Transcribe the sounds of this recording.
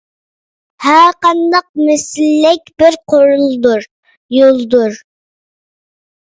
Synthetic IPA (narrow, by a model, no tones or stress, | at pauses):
hæɾqɑnd̪ɑq̚mɪsɪlːɛk̚ʲbɪɾqʰoɾulˠd̪uɾ | jolˠd̪uɾ